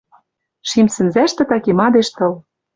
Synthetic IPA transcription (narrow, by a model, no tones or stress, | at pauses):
ʃimsɘ̆nzæʃt̪ɘ̆t̪ɑkemɑd̪eʃt̪ɤ̆l